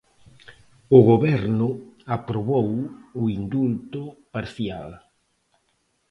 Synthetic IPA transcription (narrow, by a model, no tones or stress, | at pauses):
ʊɣoβɛɾnʊapɾoβowʊind̪ult̪ʊpaɾθjal